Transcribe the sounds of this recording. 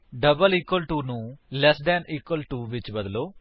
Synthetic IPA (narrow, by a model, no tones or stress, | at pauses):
ɖəbəliːkwəlʈuːnũːlɛːsd̪ɛːniːkwəlʈuːʋɪt͡ʃbəd̪loː